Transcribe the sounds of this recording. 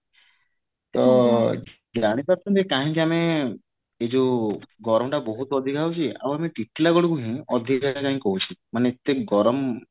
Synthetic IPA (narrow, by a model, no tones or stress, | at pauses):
t̪ɔ | d͡ʒaɽ̃ĩpaɾt̪ʰɔnt̪ekaɦĩkiame | ed͡ʒuɡɔɾɔmʈabɔɦut̪ɔd̪ʱikaɦut͡ʃʰia̰bamiʈiʈʰːilaɡɔɽkuɦĩɔd̪ʱikaʈakaɦĩkɔɦut͡ʃʰimanet̪eɡɔɾɔm